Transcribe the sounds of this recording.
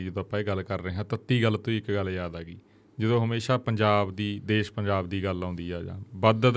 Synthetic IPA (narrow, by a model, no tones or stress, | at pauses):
id͡ʒəd̪õːəpːãːeɡəlkəɾːəeːɦãːt̪ət̪ːiːɡəlt̪õːiːɪkɡəljaːd̪aːɡiː | d͡ʒəd̪õːɦəmeːʃaːpəɲd͡ʒaːbd̪iːd̪eːʃpəɲd͡ʒaːbd̪iːɡəlãːnd̪iːɛːd͡ʒã̰ːbəd̪